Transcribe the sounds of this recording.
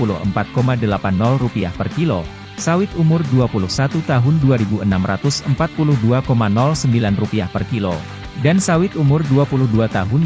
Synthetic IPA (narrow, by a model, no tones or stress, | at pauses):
pulṵhə̰mpat̪̚komadəlapanːɔlrupia̰hpərkilo | sawɪt̪umʊrduapulʊhsat̪ut̪aɦʊnduaɾibuənamrat̪ʊsəmpat̪̚pulʊhduakomanɔlsəmbilanrupiahpərkilo̰ | dansawɪt̪umʊrduapulʊhduat̪aɦʊn